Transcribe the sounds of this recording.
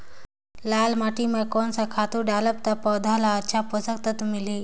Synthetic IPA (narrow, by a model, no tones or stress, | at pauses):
lalmaʈimakonsakʰat̪uɖaləp̚t̪apəwd̪ʱalaəːɕʰapəsək̚t̪ət̪umili